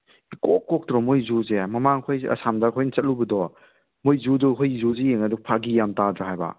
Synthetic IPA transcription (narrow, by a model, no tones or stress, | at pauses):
ikokːɔk̚tɾɔmojzuzemɐmaŋkʰojɐ̰samdakʰojnt͡ʃɐt̚lubɐdɔ | mojzudɔkʰojzuzijeŋɐduk̚pʰaɡijamtadɾaɦajbɐ̰